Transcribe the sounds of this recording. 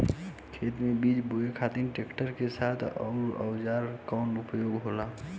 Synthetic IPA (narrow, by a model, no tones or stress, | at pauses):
kʰeːt̪mẽbid͡ʒboekʰat̪inʈekʈəɾkesaːt̪ʰɔ̰ːɾɔ̰wd͡ʒaːɾkaʊnɳʊpjoːɡɦoːla